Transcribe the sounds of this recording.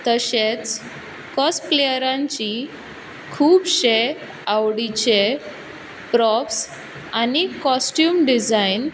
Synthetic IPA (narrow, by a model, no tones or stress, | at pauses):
t̪əɕet͡s | kɔsplejəɾãɲt͡ɕi | kʰuːbɕe | awɽit͡ɕe | pɾɔfs | anikɔsʈjuːmɖid͡zain